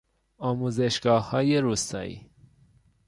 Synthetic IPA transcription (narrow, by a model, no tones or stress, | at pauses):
ɒːmuzeʃɡɒːhɒːjeɾust̪ɒ̰ḭ